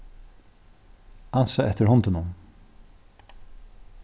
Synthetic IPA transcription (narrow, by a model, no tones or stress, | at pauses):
ansaʔɛt̪ɪɾhɔnt̪ɪnʊm